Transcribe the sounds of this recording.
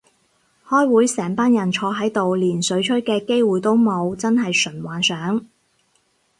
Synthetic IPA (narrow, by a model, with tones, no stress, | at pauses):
hɔː˥jwuː˨˥jsɛː˨˩ŋpaː˥njɐ˨˩nt͡ʃʰɔː˧ɦɐ˨˥jt̪o˨wliː˨˩nsɵ˨˥ɥt͡ʃʰɵ˥t̚kɛː˧ke˥jwuː˨jt̪o˥wmo˨˧wt͡sɐ˥nɦɐ˨jsɵ˨˩nwaː˨˩nsœː˨˥ŋ